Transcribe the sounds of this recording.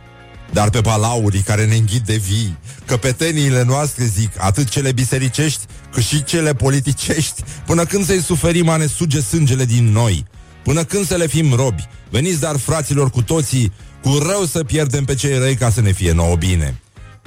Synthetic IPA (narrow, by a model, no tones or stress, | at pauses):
d̪arpe̞palauɾʲkaɾe̞ne̞ɨŋɡʲit̪̚d̪e̞vikəpe̞t̪e̞niːle̞noast̪ɾe̞zika̰t̪ɨt̪̚t͡ʃe̞le̞bise̞ɾit͡ʃe̞ʃt̪ʲ | kɨt̪ʃit͡ʃe̞le̞po̞lit̪it͡ʃe̞ʃt̪ʲpɨnəkɨnd̪səjsufe̞ɾimane̞sud͡ʒe̞sɨnd͡ʒe̞le̞d̪inːo̞j | pɨnəkɨnd̪səle̞fimro̞bʲve̞nit̪s̬ʲd̪arfɾat̪silo̞rkut̪o̞t̪sikurəwsəpje̞rd̪e̞mpe̞t͡ʃe̞jrəjkasəne̞fije̞no̰bine̞̰